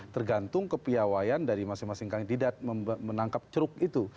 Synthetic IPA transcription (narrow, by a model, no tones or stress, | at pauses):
t̪ərɡant̪ʊŋkəpiawajandaɾimasɪŋmasɪŋkaŋdidat̪̚məmənaŋkap̚t͡ʃɾʊk̚it̪u